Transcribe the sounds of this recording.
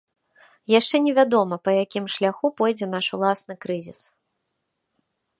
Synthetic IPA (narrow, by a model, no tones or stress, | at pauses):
jaʂt͡ʂɛnʲɛvʲad̪ɔmɐpɐjakʲimʂlʲaxupɔjd͡zʲɛn̪aʂulˠasnɨkɾɨzʲis